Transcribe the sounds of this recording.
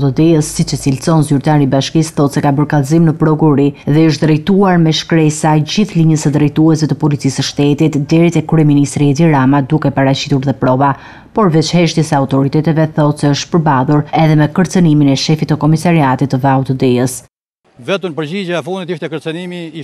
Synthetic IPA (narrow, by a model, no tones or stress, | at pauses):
t̪ɔd̪ɛjəsːit͡ʃət͡silsɔnzyɾt̪aɾibaʃkisθɔt̪sɛkabəɾkalzimnəpɾɔkuɾiðɛəʃt̪d̪ɾɛjt̪uaɾmɛʃkɾɛsajd͡ʑiθliɲəsəd̪ɾɛjt̪uɛs̬vɛt̪əpɔlit͡sisəʃt̪ɛt̪it̪d̪ɛɾit̪ɛkɾɛminist̪ɾiɛd̪iɾamad̪ukɛpaɾat͡ɕi̥t̪uɾðɛpɾɔva | pɔɾvɛt͡ʃhɛʃt̪jɛsəaut̪ɔɾit̪ɛt̪ɛvɛθɔt̪sɛəʃt̪pəɾbaðˠuɾɛðɛmɛkəɾt͡səniminɛʃɛfit̪ːəkɔmisaɾiat̪it̪ːəvɛawt̪ɔd̪ɛjəs | vɛt̪əmpəɾd͡ʑid͡ʑaɛfund̪it̪iʃt̪ɛkəɾt͡sənimi